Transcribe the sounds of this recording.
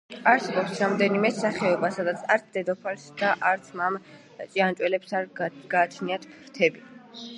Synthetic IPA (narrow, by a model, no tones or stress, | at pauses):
aɾsɛbɔpsɾamd̪ɛnimɛsaχɛɔbasad̪at̪sʰaɾt̪sʰd̪ɛd̪ɔpʰalsd̪aʔaɾt̪sʰmam | t͡ʃʼiant͡ʃʼwɛlɛpsaɾɡ̥aːt͡ʃʰniat̪ʰɾt̪ʰɛbi